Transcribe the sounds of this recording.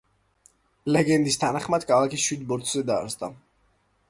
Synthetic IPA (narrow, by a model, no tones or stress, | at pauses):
lɛɡɛnd̪ist̪ʰanaχmad̪̥kʰalˠakʰisʃwid̪bɔɾt̪ʰzɛd̪a̰ːɾsd̪a̰